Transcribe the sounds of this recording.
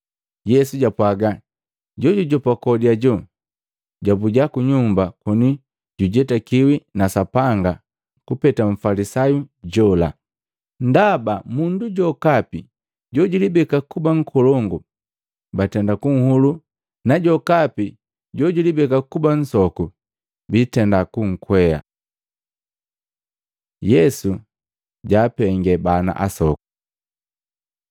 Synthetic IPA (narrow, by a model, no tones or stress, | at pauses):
jɛsuɟapwaɡa | ɟɔɟuɟɔpakɔdiaɟɔ | ɟabuɟakuɲumbakɔni | ɟuɟɛtakiwinasapaŋɡa | kupɛtaɱ̩falisajuɟɔla̰ | ndabamunduɟɔkapi | ɟɔɟulibɛkakubaŋ̩kʰɔlɔŋɡu | batɛndakuŋ̩hulu | naɟɔkapi | ɟɔɟilibɛkakuban̩sɔku | bitɛndakuŋ̩kwɛa̰ | jɛsu | ɟaːpɛŋɡɛbana̰ʔasɔku̥